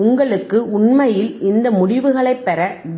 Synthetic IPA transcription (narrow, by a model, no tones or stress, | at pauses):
ʊŋɡɐɭɯkːɯʊɳmɐjɪlɪnd̪ɐmʊɽɪʋɯɣɐɭɐɪpːɛɾɐʋ